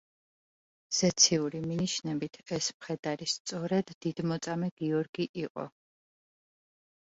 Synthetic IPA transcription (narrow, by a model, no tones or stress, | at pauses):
z̥ɛt̪sʰiuɾiminiʃnɛbit̪ʰɛsmχɛd̪aɾist̪sʼɔɾɛd̪ːid̪mɔt̪sʼamɛɡ̥iɔɾɡiʔiqʼɔ̰